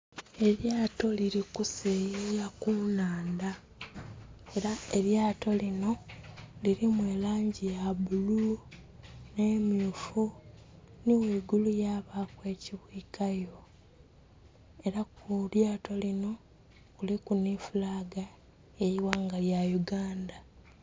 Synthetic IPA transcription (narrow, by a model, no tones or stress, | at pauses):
e̞ɾjaːto̞liɾikusejejakunaːnda | eɾae̞ɾjaːto̞lino̞liɾimwe̞ːlaːɲɟijaβulu | ne̞ːmjufu | niwiːɡulujaːβakwe̞ːciβwiːkajo̞ | e̞ɾakuljaːtʰo̞lino̞ | ulikunifulaːɡa | ejiwaːŋɡaljajuɡaːnda